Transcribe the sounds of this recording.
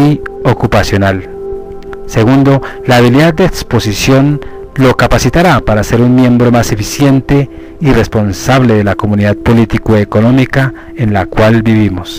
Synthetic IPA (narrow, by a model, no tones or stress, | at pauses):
iokupasjo̞nal | se̞ɣund̪o̞laːβ̞iliðad̪̚d̪eːkspo̞sisjo̞n | lo̞kapasit̪aɾapaɾase̞ɾunmjẽ̞mbɾo̞mase̞fisje̞nt̪e | ire̞spo̞nsaβleðelakomuniðað̚po̞lit̪ikoeko̞no̞mika | enlakwalbiβimos